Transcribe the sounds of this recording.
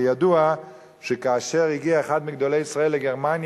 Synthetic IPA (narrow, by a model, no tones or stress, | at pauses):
jadua | ʃekaːʃeʁiɡiaeχad̪miɡd̪olejisʁaelːeɡeʁmanj